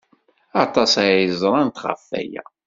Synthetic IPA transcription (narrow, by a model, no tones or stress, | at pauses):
ɑt̪ˤɑsajəzˤɾˤɑnt̪ʁə̰fːæ̰jæ̰